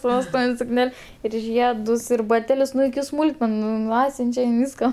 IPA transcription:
sʊ ʋʲɛsˈtuːʋʲɪnʲ sʊkˈnʲɛlʲ ɪr ˈʒʲiɛdʊs ɪr bɐˈtʲæːlʲʊs ˈnʊ ɪkʲɪ ˈsmuːlˠkmʲɛnʊ nʊ ˈɑːtʲsʲʊnʲt͡ʃʲɛ ɪn ˈʋʲiːskɐ

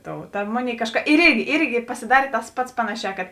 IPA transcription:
ˈtoːʊ tɐ ˈmoːˌnʲeːɪ ˈkɑːʃˌkɐ ɪr ˈɪrʲɡʲɪ ˈɪrʲɡʲɪ pɐsʲɪˈdɑːrʲeː tɐs ˈpɐts ˈpɑːnɐˌʃʲɛː kɐt

